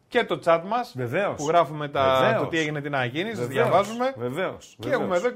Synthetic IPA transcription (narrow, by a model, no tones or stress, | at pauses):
ce̞t̪o̞t͡sɐt̪mɐseveopuɣɾɐfume̞t̪ɐeot̪ieʝinet̪inɐʝinisðʝɐvɐzume̞veveoseexumeðo